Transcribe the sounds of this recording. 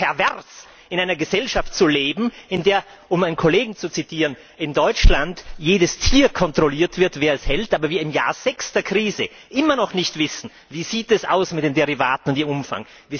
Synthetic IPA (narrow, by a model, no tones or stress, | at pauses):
pʰɛɐvɛʁs | ɪnʔaɪnɐɡəzɛlʃaftt͡suleːbm̩ɪndeːɐ | ʔʊmaɪnkʰoleːɡŋ̩t͡sut͡sitʰiːʁən | ɪndɔʏt͡ʃlantjeːdəstʰiːɐkʰɔntʁ̥oliːɐtv̥ɪɐtv̥eːɐɛshɛltʔaːbɐviːɐɪmja̰ːɐz̥ɛkstɐɐkʁ̥iːzə̰ | ʔɪmɐnɔχnɪçtv̥ɪsn̩ | viːziːtɛsʔa̰ʊsmɪt̚d̥eːmdeʁivaːtn̩ʊntiːɐʔʊmfa̰ŋ | viː